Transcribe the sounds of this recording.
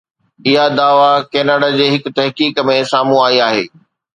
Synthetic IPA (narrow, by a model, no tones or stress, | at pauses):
ɪɦad̪aːʋakɛːnaːɖad͡ʑeːɦɪkʊ̆t̪ɐɦkiːkmẽsaːmũaːiaːɦḛː